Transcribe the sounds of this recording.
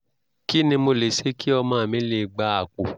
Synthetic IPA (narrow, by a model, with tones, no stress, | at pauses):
ki˦nĩ˧mo˧le˨ʃe˨˦ki˦ɔ˧mãː˦˨mĩ˦le˧˨ɡ͡ba˧˦a˨k͡pu˨